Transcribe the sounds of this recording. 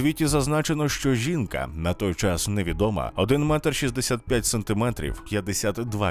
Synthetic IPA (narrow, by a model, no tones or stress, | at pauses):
ʋʲitʲizɐznat͡ʃenɔʃt͡ʃɔʒʲinkɐ̰nɐt̪ɔjt͡ʃɑsnɛʋʲid̪ɔmɐ̰ɔd̪ɪnmɛt̪ɛrʃizd̪esʲat̪̚pʲjatʲsɐnt̪ɪmɛt̪ɾʲḭwpjɐd̪ːesʲat̪d̪ʋa